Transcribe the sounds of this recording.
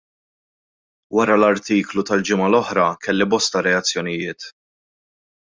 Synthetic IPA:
wɐɾɐlɐɾt̪iːklut̪ɐld͡ʒɪmɐlɔħɾɐkɛlːibɔst̪ɐɾɛɐt͡sːjɔnɪjɪːt̪

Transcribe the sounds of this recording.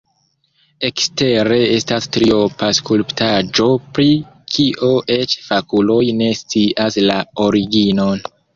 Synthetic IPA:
e̞kste̞ɾe̞e̞stastɾiopaskulptad͡ʒo̞pɾi | kʰiʔoʔe̞t͡ʃfakulo̞jne̞st͡siʔaslao̞ɾiɡino̞n

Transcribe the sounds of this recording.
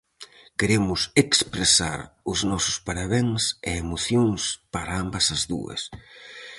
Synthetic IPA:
keɾemʊsekspɾesa̰ɾʊznɔsʊ̥spaɾaβeŋseemoθjoŋspaɾaambɐsɐzðṵɐ̰s

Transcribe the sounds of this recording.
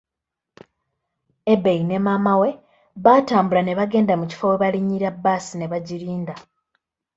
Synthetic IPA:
ebejine̞maːmawe̞ | βaːtaːmbulane̞βaɡe̞ːndamuci̥foweβaliɲːiɾabːaːsine̞βaɟiɾiːnda

